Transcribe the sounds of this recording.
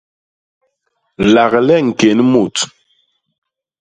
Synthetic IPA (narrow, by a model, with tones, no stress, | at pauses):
la˨ɣlɛ˦ŋ̩˨ke˨nmu˨t